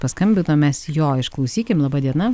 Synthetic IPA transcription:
pɐskɐmʲbʲɪnoːmʲɛsjoːɪʃklˠɐʊsʲiːkʲɪmlˠɐbɑːd̪ʲiɛnɐ

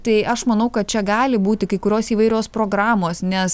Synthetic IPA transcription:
t̪ɐɪʔɐʃmɐnɐʊkɐt̪̚t͡ʃʲɛɡɑːlʲɪbuːt̪ʲɪkɐɪkʊɾʲoːsiːʋɐɪɾʲoːspɾoːɡɾɑːmoːsnʲɛs

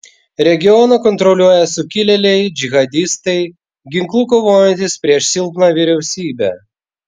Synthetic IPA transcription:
ɾʲɛɡʲɪɔnɐkɔnt̪ɾɔlʲuɔjɛsʊkʲɪlʲɛlʲɛɪd͡ʒʲɪɣɐd̪ʲɪst̪ɐɪ | ɡʲɪŋklˠuːkoʋoːjɛnʲt̪ʲɪspʲɾʲiɛʃsʲɪlˠpnɑːʋʲɪɾʲɛʊsʲiːbʲɛ

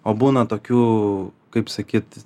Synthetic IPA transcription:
oːbuːnɐt̪oːkʲuːkɐɪpsɐkʲiːt̪

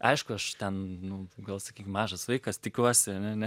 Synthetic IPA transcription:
ʔɐ̰ɪʃkʊɐʃt̪ʲɛnnʊɡɐlˠsɐkʲiːkʲɪmɑːʒɐsʋɐɪkɐst̪ʲɪkʲuɔsʲɪɐnʲɛɐnʲɛ

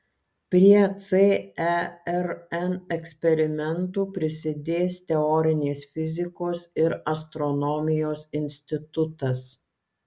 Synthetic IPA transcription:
pʲɾʲiɛt̪seːɛɛɾɛnɛksʲpʲɛɾʲɪmʲɛnt̪uːpʲɾʲɪsʲɪd̪ʲeːst̪ʲɛɔːɾʲɪnʲeːsfʲɪzʲɪkoːsɪɾɐst̪ɾɔnɔːmʲɪjoːsɪnʲsʲt̪ʲɪt̪ʊt̪ɐs

